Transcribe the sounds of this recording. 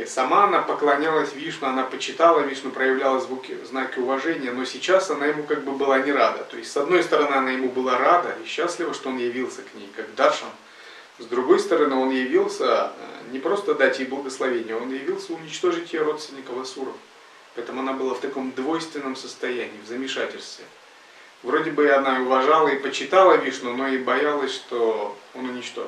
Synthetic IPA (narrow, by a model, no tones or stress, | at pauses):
sɐmaɐnapəklˠɐnʲalˠəsʲvʲiʂnʊɐnapət͡ɕɪt̪alˠəvʲiʂnʊpɾəjɪvlʲalˠəzvukʲɪ̰znakʲɪʊvɐʐɛnʲɪjəno̞sʲɪt͡ɕasɐnajɪmukaɡ̚bɨbɨlˠanʲɪɾad̪ət̪o̞ɪsʲtʲsɐd̪̚no̞jst̪əɾɐnɨɐnajɪmubɨlˠaɾad̪əiɕːaslʲɪvəʂt̪o̞onjɪvʲilˠsʲəknʲejkaɡd̪aʂə̰n | zd̪ɾʊɡo̞jst̪əɾɐnɨo̞njɪvʲilˠsʲə̰nʲɪpɾo̞st̪əd̪atʲɪxblˠəɡəslˠɐvʲenʲɪjo̞njɪvʲilˠsʲəʊnʲɪt͡ɕt̪o̞ʐɨtʲɪjəɾo̞t̪st̪vʲɪnʲɪkəvɐsuɾəf | pɐɛt̪əmʊɐnabɨlˠaft̪ɐko̞md̪vo̞jst̪vʲɪnːəmsəst̪ɐjænʲɪiːvzəmʲɪʂatʲɪlʲst̪vʲɪ | vɾo̞dʲɪbɨɐnaɪʊvɐʐalˠəipət͡ɕːɪt̪alˠəvʲiʂnʊno̞ibɐjalˠəsʲʂt̪o̞o̞nʊnʲɪt͡ɕt̪o̰